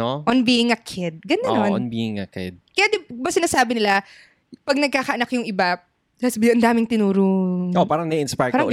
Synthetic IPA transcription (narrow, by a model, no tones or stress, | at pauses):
oʔɔnbiːɪŋɐkʰɪd̪̚ɡɐnɐnonnbiːɪŋɐ̰kɪ̰d̪̚kɐjaːd̪ɛbɐsɪnaːsaːbɪnɪla | pɐɡ̚nɐɡ̚kaːkɐʔɐnɐkjʊŋʔɪba | lasbʔɐnd̪aːmɪŋt̪ɪnuːɾʊopaːɾɐŋnɐɪnspajpaːɾɐŋɡ